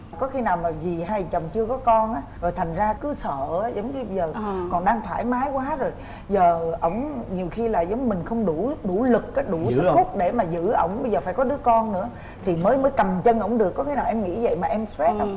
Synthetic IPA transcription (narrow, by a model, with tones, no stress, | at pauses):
kɔ˨˦xi˧naː˨˩wmaː˨˩vi˨˩haː˧jt͡ɕə˨˩wŋ͡mt͡ɕɨ˧əkɔ˨˦kɔ˧nʔaː˨˦zo˨˩jt̪ʰa˨˩ŋ̟zaː˧kɨ˨˦sə̰ː˧˨aː˨˦zə˨˦wŋ͡mɲɨ˧ɓə˧jzəː˨˩kɔ˨˩nɗaː˧ŋt̪ʰaː˧˩jmaː˨˦jkwaː˨˦zo˨˩j | zəː˨˩ʔə̰˧˩˥wŋ͡mɲi˨˩əwxi˧laː˨˩zə˨˦wŋ͡mmï˨˩ŋ̟xə˧wŋ͡mɗu˧˩ɗu˧˩lɨ˨˩kːaː˨˦jɗu˧˩sɨ˦˥xʊ˦˥k͡p̚ɗe˧˩maː˨˩zɨ̰˧˥ʔə̰˧˩wŋ͡mɓə˧jzəː˨˩faː˧˩jkɔ˨˦ɗɨ˨˦əkɔ˧nːɨ̰˧˥ə | t̪ʰi˨˩məː˨˦jməː˨˦jkə˨˩mt͡ɕə˧nʔə̰˧˩wŋ͡mɗɨ˨˩əkːɔ˨˦xi˧naː˨˩wʔɛ˧mŋḭ˧˥zə̰˧˨jmaː˨˩ʔɛ˧mswɛ˦˥t̚ʔə˧˦